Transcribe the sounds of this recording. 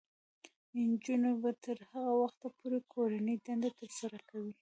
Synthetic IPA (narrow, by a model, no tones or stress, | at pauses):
nd͡ʒunabat̪əɾhaɣawaxt̪apoɾekʰoɾanəjd̪and̪at̪əɾsaɾakawi